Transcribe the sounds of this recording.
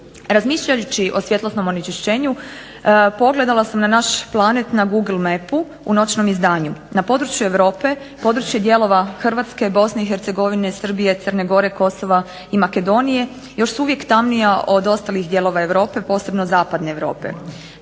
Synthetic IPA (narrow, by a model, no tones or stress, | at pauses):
ɾazmiːʃʎajut͡ɕiʔo̞sʋje̞t̪losno̞mo̞nit͡ʃeʃt͡ʃe̞ːɲu | po̞ɡle̞d̪alˠasamnanaʃplˠanet̪naɡuɡl̩ˠmepu | ṵno̞t͡ʃno̞mizd̪aːɲunapo̞d̪ɾut͡ʃjue̞ʋɾo̞ːpe̞ | po̞ːd̪ɾut͡ʃje̞d̪je̞lˠo̞ʋaxr̩ʋat̪ske̞bo̞sne̞ixeɾt̪seɡo̞ʋinesr̩bije̞t̪srne̞ɡo̞ɾe̞ko̞so̞ʋa | imake̞d̪o̞nije̞ | jo̞ʃsuuʋje̞kt̪amnijaʔo̞d̪o̞st̪alixd̪je̞ːlˠo̞ʋae̞ʋɾo̞ːpe̞po̞ːse̞bno̞zaːpad̪ne̞ːʋɾo̞̰ːpḛ